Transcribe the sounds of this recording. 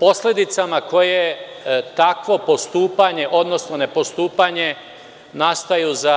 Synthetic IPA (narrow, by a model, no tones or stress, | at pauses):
po̞sled̪it̪samako̞jet̪akʋo̞po̞st̪uːpaɲe̞ʔo̞d̪no̞snone̞po̞st̪uːpaɲe̞ | nast̪ajuza